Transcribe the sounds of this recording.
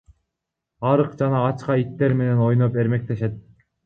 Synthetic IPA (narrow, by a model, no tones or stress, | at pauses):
ɑɾɯqd͡ʒɑnɑːt͡ʃqɑit̪ːe̞ɾme̞ne̞no̞jnope̞ɾme̞k̚t̪e̞ʃe̞t̪̚